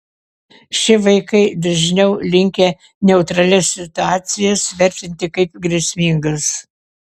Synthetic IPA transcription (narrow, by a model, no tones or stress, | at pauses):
ʃʲɪʋɐɪkɐɪd̪ɐʒʲnʲɛʊlʲɪŋʲkʲe | nʲɛʊt̪ɾɐlʲɛsːʲɪt̪ʊɑːt̪sʲɪjɛsʋʲɛɾʲt̪ʲɪnʲt̪ʲɪkɐɪp̚ɡɾʲɛsʲmʲɪːŋɡɐs